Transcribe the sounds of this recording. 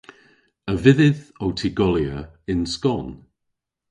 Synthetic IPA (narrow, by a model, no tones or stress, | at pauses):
əvɪðɪðowtʰiɡɔliəɪ̃nskɔn